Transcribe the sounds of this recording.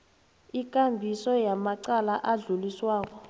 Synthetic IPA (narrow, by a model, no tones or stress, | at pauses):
ik̬ʼambʱisɔjamaǀalaʔaɮuliswaːk̬ɔ